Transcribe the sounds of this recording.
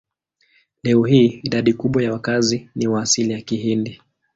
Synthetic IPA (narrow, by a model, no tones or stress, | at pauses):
lɛɔhiːiɗaɗikuɓwajawakaziniwaːsilijakihindi